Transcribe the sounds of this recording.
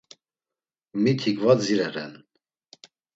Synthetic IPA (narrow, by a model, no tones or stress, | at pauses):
mit̪ʰikvaziɾɛɾɛn